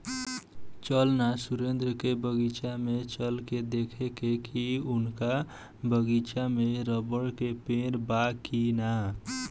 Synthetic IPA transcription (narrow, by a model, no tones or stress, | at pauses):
t͡ʃəlnasuɾend̪ɾəkebəɡit͡ʃamet͡ʃəlked̪ekʰekekiunka | bʱəɡit͡ʃameɾəbəɽkepeɾbakina